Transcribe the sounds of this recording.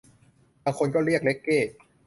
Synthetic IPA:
baː˧ŋkʰo˧nkɔː˥˩ɾi˥˩ək̚le˦˥kːeː˥˩

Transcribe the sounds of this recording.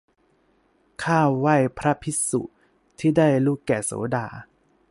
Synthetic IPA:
kʰaː˥˩wa˥˩jpʰɾa˦˥pʰi˦˥sṵ˨˩ | t̪ʰiː˥˩daː˥˩jluː˥˩kːɛː˨˩so̰ː˩˦daː˨˧˩

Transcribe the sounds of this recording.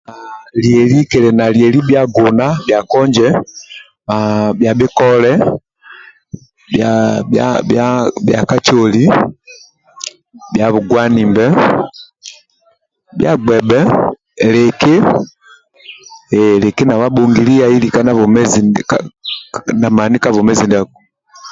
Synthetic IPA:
a˨liɛ˨li˦kɛlɛ˨na˨liɛli˦bjaɡɔna˦bja˨kɔ˦ɲd͡ʒɛ | abjabi˦kɔlɛ | bjabja̰bjabja̰ka˦t͡ʃɔli | bja˨βu˨ɡwa˦ni˨mbɛ˦ | bja̰˦ɡɛ˨bɛ˦ | lɛ˨ke˦ | lɛki˦na˨wa˦bɔ˨ŋɡili˦ja˨i˦lika˦na˦vɔmɛzinka | na˨mani˦ka˦vɔmɛzi˨ndɛ˨ɡu

